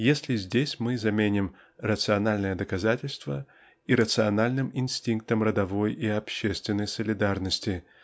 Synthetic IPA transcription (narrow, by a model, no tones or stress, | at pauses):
jesʲlʲɪzʲdʲesʲmɨzɐmʲenʲɪm | rət̪sɨɐnalʲnəjəd̪əkɐzatʲɪlʲst̪və | iɾət̪sɨɐnalʲnɨmɪnsʲtʲiŋk̚t̪əmrəd̪ɐvo̞jiɐpɕːest̪vʲɪnːəjsəlʲɪd̪arnəsʲtʲɪ